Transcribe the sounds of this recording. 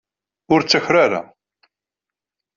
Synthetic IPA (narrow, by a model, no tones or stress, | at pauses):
ʊɾt͡sːæçɾaɾa̰